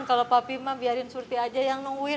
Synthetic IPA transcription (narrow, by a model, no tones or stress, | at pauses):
nkalopapimabiaɾɪnsurt̪iad͡ʒajaŋnɔŋuɪ